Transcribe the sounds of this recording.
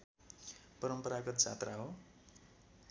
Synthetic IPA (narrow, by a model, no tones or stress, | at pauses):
pʌɾʌmpʌɾaɡʌt̪t͡sa̰t̪raɦo